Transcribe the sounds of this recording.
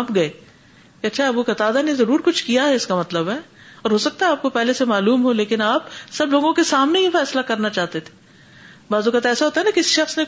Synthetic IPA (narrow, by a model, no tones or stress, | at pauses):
pɡɐe | keɐtːʃʰaɐbukɐt̪aːd̪anezɐɾuːɾkʊt͡ʃʰkijaɦɛɪskamɐt̪ləbɦɛːɔːɾɦoːsɐk̚t̪aɦɛaːp̚kopɛɦlesemaːluːmɦoleːkɪnaːpsɐbloːɡõkesaːmneɦifɛːslakɐɾnat͡ʃaːɦt̪et̪ʰe̥ | baːzukat̪ɛːsaɦoːt̪aɦɛnakɪsiʃɐxsne